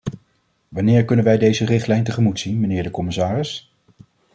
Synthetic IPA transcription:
ʋɑnɪːɹkɵnənʋɛjdejzərɪχtlɛjntəχəmutsinmənɪːɹdəkɔmɪsaːrɪs

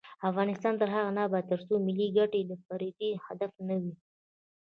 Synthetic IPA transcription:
afɣɑnɪst̪ɑnt̪əɾɦaɣanɑbat̪ːəɾsomɪlːiɡaʈed̪əfaɾid̪ihad̪afnəwi

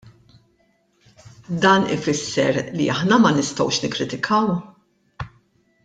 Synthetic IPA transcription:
d̪ɐːnɪ̰fɪsːɛɾlḭɐħnɐmɐnɪst̪ɔ̰wʃnɪkːɾɪt̪ɪkʰɐw

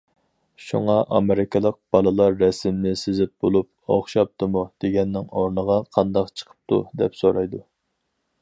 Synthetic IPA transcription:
ʃṵŋɑʔɑmeɾɪkʲʰɨlˠəq̚b̥ɑlˠɨlˠɑɾːɛsɪmnɪsɪzɪp̚bolˠup̚o̰χʃɑp̚t̪ʰɨmud̪̥eɡʲɛnːɪŋoɾnəʁɑqʰɑnd̪ɑqt͡ʃʰə̥qʰə̥p̚t̪ʰud̪ɛpsoɾɑjd̪u

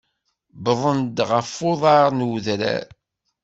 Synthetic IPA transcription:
bəðˤənd̪ʁəfːʊðˤɑɾnwðɾæ̰

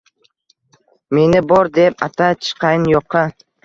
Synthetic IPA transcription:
me̞nɪbɒɾd̪e̞pat̪ʰat͡ʃʰɨ̥qʰɑjɪnjoqʰɑ

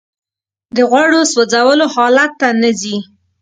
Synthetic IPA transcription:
d̪əɣwaɽoswəd͡zawəlohɑlat̪ːanəzi

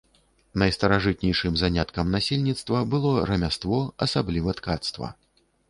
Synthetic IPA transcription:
nɐjst̪ɐɾaʐɨt̪̚nʲɛjʂɨmzanʲat̪kɐmnasʲelʲnʲit̪st̪vɐbɨlˠɔɾɐmʲast̪vɔɐsablʲivɐt̪kat̪st̪vɐ̰

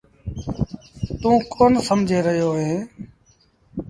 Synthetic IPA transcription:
t̪ũːkʰoːnsəmd͡ʒʱeːɾəɦjoːɦẽː

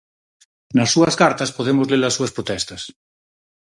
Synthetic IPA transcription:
nasːuɐskaɾt̪aspoðemozlelasːuɐspɾot̪ɛst̪as

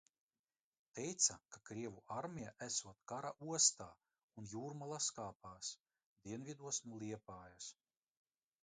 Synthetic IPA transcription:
t̪ɛjt̪sakakɾiɛvuʔaɾmʲijaʔæsuɔt̪kaɾaʔuɔst̪aː | unjuːɾmalˠaskaːpaːs | d̪iɛnvʲid̪uɔsnulˠiɛpaːjas

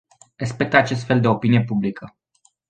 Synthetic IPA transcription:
re̞spe̞k̚t̪əat͡ʃe̞s̬t̪fe̞ld̪e̞o̞pinije̞publikʰə

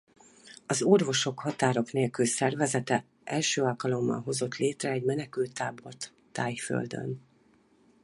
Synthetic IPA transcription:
ɒzo̞rvo̞ʃo̞khɒt̪aːɾo̞kneːlkylsɛrvɛzɛt̪ɛ | ʔɛlʃøːɒlkɒlo̞mːɒ̰lɦo̞zo̞t̪leːt̪rɛːɟmɛnɛkylt̪ːaːbo̞rt̪ːaːjfø̰ld̪ø̰n

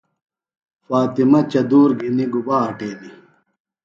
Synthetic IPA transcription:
faːt̪imɐt͡ɕɐd̪uːɾɡʱiniɡubaːʈeːni

